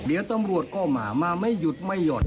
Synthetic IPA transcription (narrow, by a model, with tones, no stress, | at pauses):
di˨˩˦əwt̪a˧mɾu˨˩ət̪̚kɔː˧˩ma̰ː˨˩˦maː˧ma˥˩jːu˧˦t̪̚ma˧˩jːɔː˨˩